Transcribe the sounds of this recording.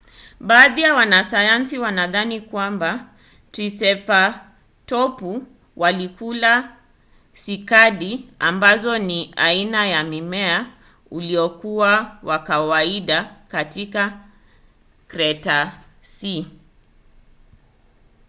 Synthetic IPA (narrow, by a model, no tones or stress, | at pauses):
ɓaːðijawanasajansiwanaðanikwamba | tɾisɛpa | tɔpu | wʔalikula | sikaɗiambazɔnia̰inajamimɛa | uliɔkuwawakawaiɗakatika | kɾɛtasi